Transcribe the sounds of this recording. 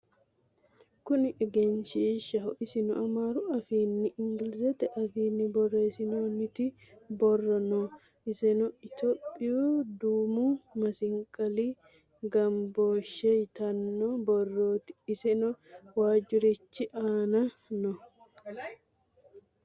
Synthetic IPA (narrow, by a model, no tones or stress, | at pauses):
kʊnɪʔɛɡɛnʃiːʃɐhʊʔɪsɪnʊʔɐmaːɾʊɐfiːnːɪʔɪŋɡɪlɪsɛt̪ɛʔɐfiːnːɪbɔrːeːsɪnoːnɪt̪ɪ | bɔrːɔno | ɪsɛnɔɪt̪opʼːɪjuːd̪uːmuːmɐsɪŋkʼɐli | ɡɐmboːʃːɛjt̪ɐnːobɔrːoːt̪ɪ̥ɪsɛnɔwaːd͡ʒʊɾɪt͡ʃːɪʔaːnɐnɔ